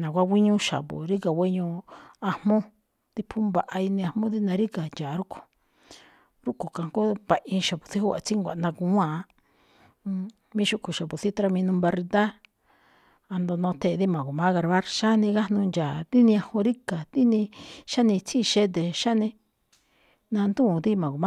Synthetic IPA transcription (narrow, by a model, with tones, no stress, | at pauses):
nã˨kʷa˦ɡʷi˦ɲũ˦ʃa̰˨βo̰˨ɾi˦ka˨wʷe˦ɲũ˧a˧hmõ˦ | t̪i˧pʰu˦mba˨ʔa˧i˧nĩ˧ã˧hmõ˦ði˦nã˧ɾi˦ka˨nd͡ʒa˨ɾu˦kʰo̥˨ | ɾu˦ko˨ka˨ŋko˦βa˧ʔĩ˧ʃa˨βu˨θi˦hu˦a̰˨t͡si˦ŋɡʷa̰˨˧nã˧kũ˧˦ã˦˨˧ | mĩ˦ʃu˦ku˨ʃa˨pu˨θi˦t̪ɾa˧mĩ˧nũ˧mba˧ɾi˧d̪a˦ | a˧nd̪o˧nõ˧t̪ʰe˧˨˧ði˦mã˨ɣu˨mã˦ɣa˧ɾβa˦ɾʃa˦nĩ˧ɣa˦nũ˧nd͡ʒa˨t̪i˦nĩ˧a˧hõ˧ɾi˦ka˨t̪i˦nĩ˧ʃa˦nĩ˧t͡sʰi˦˧ʃe˦d̪̬e˨ʃa˦nĩ˧ | nã˧nd̪ũ˦˨d̪i˦mã˨u˨mã˦